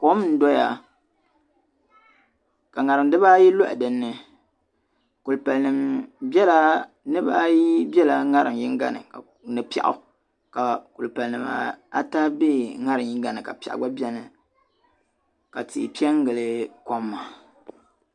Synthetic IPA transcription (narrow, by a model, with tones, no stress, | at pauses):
ko˦m˦n̩˦do˦ja̰˨ | ka˨ŋa˨ɾɨ˨m˦dɨ˦ba˦ji˦lo˦ʔdɨ˨nːɨ˨ | ku˨lpa˨lnɨ˨mbɛ˦la˦ | nɨ˦ba˦ji˦bɛ˦la˨ŋa˦ɾɨ˨mji˦ŋ˦ɡa̰˦nɨ̰˨ka˨ | nɨ˨pi˦a̰˨ʔʊ̰˦ | ka˨ku˨lpa˨lnɨ˨ma̰˨a˦ta˦bi˦ŋa˦ɾɨ˨mji˦ŋ˦ɡa˦nɨ˨ka̰˨pa̰˨ʔɡ͡ba˦bi˦ɛ˦nɨ˨ | ka˨tḭ˨pi˦ɛ˦ŋ˦ɡɨ˨lɨ˦ko˦mːa˨